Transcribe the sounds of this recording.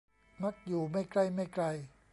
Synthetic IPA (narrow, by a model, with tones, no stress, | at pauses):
ma˦˥˩k̚juː˨˩ma˥˩jkla˥˩jma˥˩jka˧j